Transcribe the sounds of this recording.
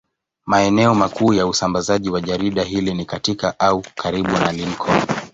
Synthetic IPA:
maɛnɛɔmakuːjausambazaʄiwaʄaɾiɗaɦilinikatikaʔaukʰaɾiɓunalinkʰɔ

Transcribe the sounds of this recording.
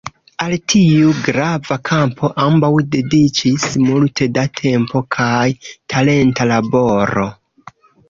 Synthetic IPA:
altʰiuɡɾavakʰampʰo̞ʔambawde̞dit͡ʃismulte̞datʰe̞mpo̞kʰajtʰale̞ntalabo̞ɾo̞̰

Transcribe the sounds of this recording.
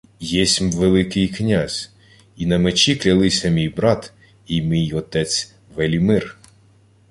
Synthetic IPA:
jɛsʲmʋelˠɪkɪjknʲazʲ | inɐmet͡ʃʲiklʲɐlˠɪsʲɐmʲijbɾɑt̪ | imʲijɔt̪ɛt͡sʲ | ʋelʲimɪr

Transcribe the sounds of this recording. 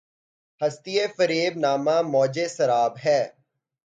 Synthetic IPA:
hɐst̪ijefəɾeːbnaːmãːmɔːd͡ʒeːsɐɾaːbɦɛː

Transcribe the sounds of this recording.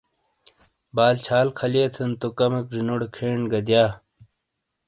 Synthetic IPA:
baːlt͡ɕʰaːlkʰɐlijet̪ʰɐnt̪okɐmɐk̚d͡ʑinoɽkʰeːɳɡɐd̪jaː

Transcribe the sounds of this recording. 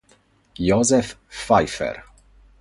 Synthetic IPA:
jozɛfːajfɛ̰r

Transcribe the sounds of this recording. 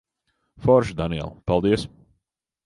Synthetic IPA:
fɔɾʃd̪aniɛ̰lˠpalˠd̪iɛs

